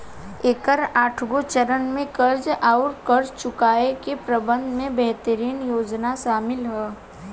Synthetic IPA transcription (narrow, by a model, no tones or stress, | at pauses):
eːkəɾaːʈʰɡot͡ʃəɾənmẽkəɾd͡ʒaʊɾkəɾd͡ʒt͡ʃʊkaːekepɾɐbə̃nd̪mẽbɛɦt̪əɾiːnjoːd͡ʒnaʃaːmɪlɦɛː